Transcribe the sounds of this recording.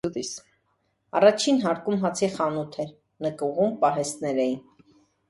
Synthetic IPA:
d̪is | ɑ̰rɑt͡ʃʰinɦɑɾkumɦɑt͡sʰiχɑnut̪ʰɛɾ | nəkuʁumpɑɦɛst̪nɛɾɛjin

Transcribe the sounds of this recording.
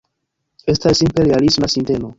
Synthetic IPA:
e̞stasːimpe̞ɾialismasinte̞mo̞

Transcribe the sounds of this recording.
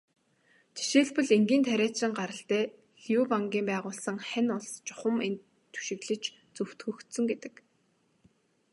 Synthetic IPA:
t̪ʰe̥ʃeːɮpɵ̆ɮeŋɡiːnt̪ʰæɾʲæːt̪sɪ̆ŋɢaɾə̆ɬt̪æː | xjuːpaŋɡʲiːmpæːʁʊːɮsə̆ŋχænʊɮst͡ɕʊ̥χə̆ment̪ | t̪ʰːu̥ʃɪ̆ɣɮɘ̆t͡ɕ | t͡sɵw̥t̪xɵ̆xt̪sɵ̆ŋɡet̪ɘ̆k

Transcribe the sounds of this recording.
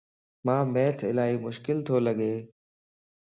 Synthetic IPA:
mãːmeːʈʰɪ̰laːɦiːmʊʃkɪlt̪ʰoːləɠeː

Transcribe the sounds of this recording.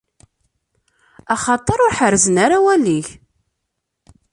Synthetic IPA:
ɑχɑt̪ˤːəɾˤʊɾħəɾzənaɾawæliç

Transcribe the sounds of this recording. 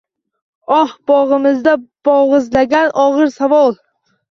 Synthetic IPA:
ɒhb̥ɒʁɨmɪzd̪ab̥ɒʁɨzlaɡʲanʔɒʁɨɾsavɒlˠ

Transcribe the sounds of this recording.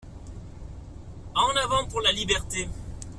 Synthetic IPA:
ɑ̃navɑ̃puʁlalibɛʁt̪e

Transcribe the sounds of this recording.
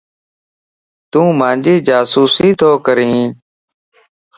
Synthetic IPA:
t̪ũːmãːnd͡ʒiːd͡ʒaːsuːsiːt̪ʰoːkəɾĩː

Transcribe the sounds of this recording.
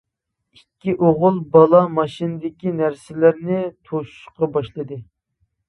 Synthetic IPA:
ikʲːiʔoʁʊlˠbɑlˠɑmɑʃinɨd̪ɪkʲinæɾsɪlæɾnɪt̪ʰoʃu̥ʃqɑbɑʃlˠɨd̪ɨ

